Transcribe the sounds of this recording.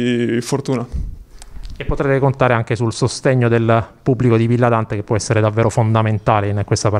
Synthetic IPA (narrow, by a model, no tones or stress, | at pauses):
fort̪uːna | epːot̪ɾɛt̪ekont̪aːɾeaŋk̟esulsost̪eɲːod̪elpubːlikod̪ivilːad̪ant̪ekepːwɔɛsːeɾed̪avːeːɾofond̪ament̪aːleinkwest̪apa